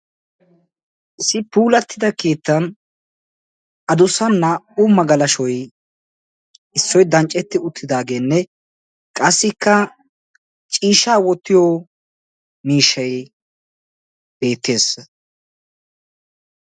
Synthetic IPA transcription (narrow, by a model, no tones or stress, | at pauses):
ʔɪsːɪpuːlɐt̪ʰːɪd̪ɐke̞ːt̪ːɐn | ɐd̪ʊsɐnːɐumːɐɡɐlɐʃɔj | ɪsːɔjd̪ɐnt͡ʃʼːɛt̪ːɪʊt̪ʰːɪd̪aːɡe̞ːnːɛ | kʼɐsːɪkːɐ | t͡ʃʼiːʃaːwɔt̪ːɪjoː | miːʃːɐj | b̥e̞ːt̪ːe̞ːs